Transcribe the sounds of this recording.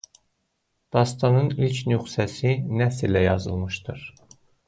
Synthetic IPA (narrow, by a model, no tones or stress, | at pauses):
d̪̥ɑst̪ɑnɯnilcʰnyxsæsinæsilæjɑzɯ̰lˠmɯʃd̪ɯɾ̥